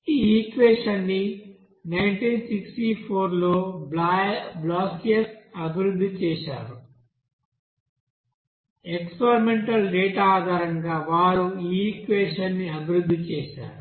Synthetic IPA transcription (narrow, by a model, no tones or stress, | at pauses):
iːiːkʋeːʂɐnːi | nɐjɳʈiːnsiksʈipʰoːɾloːblaːjblaːkijɐsɐbʱiɾud̪ʱːit͡ʃɛːʃa̰ːɾu | ekspeɾimeɳʈɐlɖeːʈaaːd̪ʱaːɾɐŋɡaːʋaːɾuiːkʋeːʂɐnːiɐbʱiɾud̪ʱːit͡ʃɛːʃa̰ːɾu